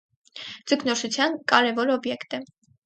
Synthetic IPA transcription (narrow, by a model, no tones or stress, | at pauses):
d͡zəkʰnɔʃut͡sʰjɑnkɑɾɛvɔɾɔbjɛkt̪ɛ